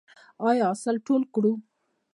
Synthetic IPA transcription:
ɑjsəlʈolkɽu

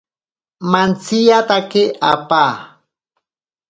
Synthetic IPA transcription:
mant͡sijat̪akeʔapaː

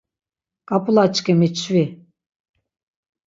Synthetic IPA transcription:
kʼapʼulat͡ʃkemit͡ʃʰvi

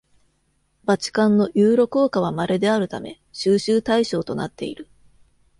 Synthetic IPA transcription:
bat͡ɕi̥kãnːo̞jɯːɾo̞ko̞ːkaβ̞amaɾe̞d̪e̞aɾɯ̟t̪ame̞̰ | ɕɨːɕɨːt̪aiɕo̞ːt̪o̞na̰t̪ːe̞̰ḭɾɯ̟

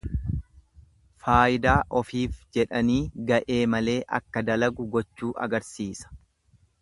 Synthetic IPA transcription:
faːjɪd̪aːʔɔfiːfd͡ʒɛᶑɐniːɡɐʔe̞ːmɐle̞ːʔɐ̰kːɐd̪ɐlɐɡʊɡɔt͡ʃːuːʔɐ̰ɡɐɾsiːsɐ̥

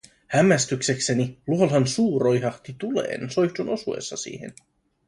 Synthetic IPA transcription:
hæmːæst̪ykse̞kse̞niluolɦɑnsuːro̞jɦɑht̪it̪ule̞̰ːnso̞jçt̪uno̞suḛsːɑsḭːhe̞̰n

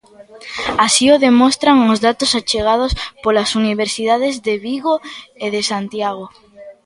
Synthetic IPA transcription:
asioðemɔst̪ɾaŋozðat̪osat͡ʃeɣ̞aðospolasuniβ̞eɾsiðaðezðeβiɣoeðesant̪jaɣ̞o

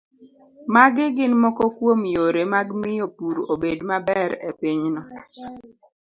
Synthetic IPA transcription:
maɡɪɡɪnmɔkɔkwomjoɾemaɡmɪjopuɾobedmabɛɾḛpɪɲnɔ

